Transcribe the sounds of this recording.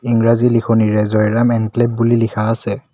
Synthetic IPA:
iŋɹazilixʰoniɹɛzɔjɹamɛŋkleb̚ːulilikʰaːsɛ

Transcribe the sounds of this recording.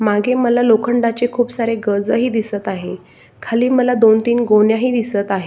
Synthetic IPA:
maɡʱeməlalokʰəɳɖat͡ɕekʰuːpsaɾeɡəd͡zəɦiːd̪isət̪aɦe | kʰaliːməlad̪ont̪iːnɡoɳjaɦiːd̪isət̪aɦe

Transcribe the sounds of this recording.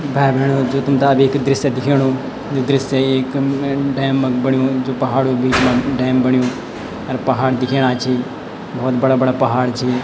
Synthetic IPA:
bɛːbɛːɽ̃õːd͡ʒoːt̪ʊmt̪aːbɪkd̪ɪɾɪsɛd̪ɪkʰeːɽõː | d͡ʒoːd̪ɪɾɪseɪkɖɛːmbəɳɪjõːd͡ʒoːpəɦaːɽõːbʱiːt͡ʃmãːɖɛːmbəɳijõː | əɾpəɦaːɽd̪ɪkʰeːɽ̃aːt͡ʃʰiː | bɔːt̪bəɽaːbəɽaːpəɦaːɽt͡ʃʰi

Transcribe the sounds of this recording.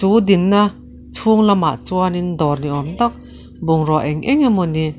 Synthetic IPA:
t͡sud̪inːɐ | t͡sʰuŋlama̰ʔt͡suanind̪ɔrniɔmt̪ak̚ | buŋrɔʔɛŋʔɛŋamuni

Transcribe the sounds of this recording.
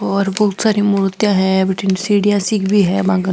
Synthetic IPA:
ɔːɾbɐɦʊt̪saːɾimuɾt̪jãɦɛ̃bɪʈinsiːɽijasiːkbʱiɦɛbãːɡə

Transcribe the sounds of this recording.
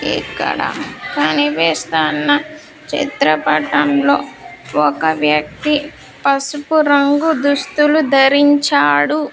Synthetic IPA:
ḭkːɐ̰ɽa̰kɐniʋɛːst̪aːnːɐ | t͡ʃḭt̪ɾɐpɐʈɐmlo̞ːɔkɐʋjɐk̚t̪i | pɐsupuɾɐŋɡud̪ust̪ulud̪ʱɐɾiɲt͡ʃaːɽu

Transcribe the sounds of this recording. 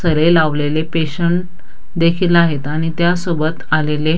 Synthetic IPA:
səɾelaʋlelepeɕəɳʈ | d̪ekʰiːlaɦet̪aɽ̃it̪jasobət̪alele

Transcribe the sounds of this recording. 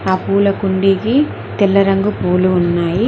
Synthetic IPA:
aːpuːlɐkuɳɖiki | t̪ɛlːɐɾɐŋɡupuːluːnːaːji

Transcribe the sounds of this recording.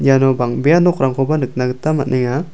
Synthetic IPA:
janɔbaŋbejanɔkɾaŋkʰɔbanɯk̚naɡɯtamat̚nʔiŋa

